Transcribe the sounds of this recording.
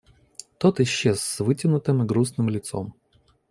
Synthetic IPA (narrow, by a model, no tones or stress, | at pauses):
t̪ot̪ɪɕːez̥svɨtʲɪnʊt̪ɨmɨɡɾusnɨmlʲɪt̪so̰m